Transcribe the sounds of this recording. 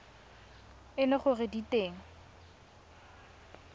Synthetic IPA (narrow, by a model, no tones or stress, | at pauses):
ɪnɪχʊrɪditeːŋ̩